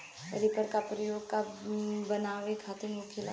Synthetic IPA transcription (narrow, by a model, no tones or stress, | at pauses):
ɐ̰ɾipəɾkapɾəjoːɡ̚kabɐnaːʋekʰaːt̪emuːkʰila̰